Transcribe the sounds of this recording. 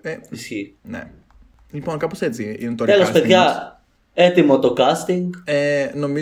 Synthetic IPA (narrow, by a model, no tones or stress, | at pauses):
eisçinḛ | liponkɐposet͡siḭnet̪oɾe̞lospe̞ðʝɐ | e̞t̪imo̞t̪o̞kɐst̪iŋɡenomi